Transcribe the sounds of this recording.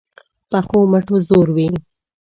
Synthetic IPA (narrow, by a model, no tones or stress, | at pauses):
pəxoməʈozoɾwi